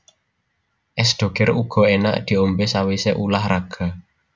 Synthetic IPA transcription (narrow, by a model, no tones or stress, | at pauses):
ʔɛsd̪̥o̤ɡ̥ɛɾuɡ̥ɔ̤ena̰ʔd̪̥i̤ombɪsawiseʔulahraɡ̥a̤